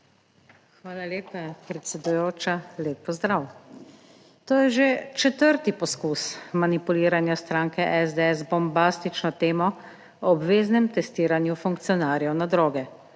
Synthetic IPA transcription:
xʋaːlaleːpapɾɛt̪sɛd̪ujoːt͡ʃaleːpːɔzd̪ɾaw | t̪oːjɛʒet͡ʃɛt̪əɾt̪ipɔskusmanipuliːɾanjast̪ɾaːŋkɛʔɛzd̪eɛsbɔmbaːst̪it͡ʃnɔt̪eːmɔ | ɔbʋeːznɛmt̪ɛst̪iːɾanjufuŋkt̪sijɔnaːɾjɛwnad̪ɾoːɡɛ

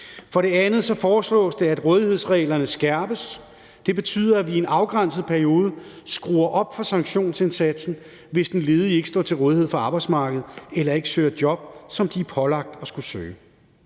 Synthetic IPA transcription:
fɒ̽ɾ̥e̝ænð̩ˠsɒ̽fɒːslɔ̰̽ːsd̥e̝æd̥ʁɔ̽ːðˠihe̝ð̞̰ˠsʁɛ̰ːlɐnəsɡ̥æɐb̥əs | d̥e̝b̥e̝t͡sʰy̰ːðˠɐæʋie̝nɑ̈ʊɡ̥ʁan̰səð̩ˠpʰæɐio̝ːð̞ˠəsɡ̥ʁṵːɐʔɒ̽b̥fɒ̽sɑ̈ŋɡ̥ɕo̝̰ːnse̝nsæd̥sn̩ | ʋe̝sd̥en̩le̝ːð̞ˠie̝ɡ̥əsd̥ɒ̰ːt͡sʰe̝lʁɔ̽ːðˠihe̝ðˠfɒ̽ɑ̈ːb̥ɑ̈ɪd̥smɑ̈ːɡ̥əð̞̩ˠelɐe̝ɡ̥əsøːɐd̥jɒ̽b̥̚sɒ̽md̥iæpʰɒ̽lɑ̈ɡ̥̚d̥ɒ̽sɡ̥usø̰ː

